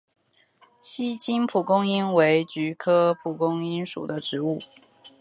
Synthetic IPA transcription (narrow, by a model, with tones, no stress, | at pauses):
ɕi˥t͡ɕi˥npʰu˨˩kʊ˥ŋi˥nwe˧˥ɪt͡ɕy˧˥kʰɤ˥pʰu˨˩kʊ˥ŋi˥nʂṵ˨˩d̪ə˦ʈ͡ʂɻ̩˧˥˦u˥˩